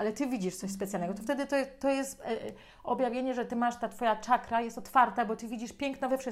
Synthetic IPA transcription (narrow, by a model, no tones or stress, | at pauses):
alɛt̪ɘvʲid͡ʑiʂt̪sɔɕ̬spɛt̪sʲjalnɛɡɔt̪ɔft̪ɛd̪ɘt̪ɔjɛt̪ːɔjɛst̪ | ɔbʲjavʲjeɲɛʐɛt̪ɘmaʂt̪at̪fɔjat͡ʂakɾajɛst̪ɔt̪faɾt̪abɔt̪ɘvʲid͡ʑiʂpʲjɛŋknɔvɛfʂɨ